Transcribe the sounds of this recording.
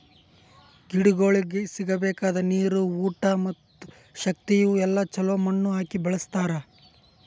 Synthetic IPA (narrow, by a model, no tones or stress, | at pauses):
ɡiɽuɡo̞ːɭiɡesiɡɐbɛːkaːd̪ɐniːɾuuːʈɐmɐt̪ːu̥ | ʃɐk̚t̪ijuɛlːɐt͡ʃɐloːmɐɳːuɦaːkibɐɭɐst̪aːɾɐ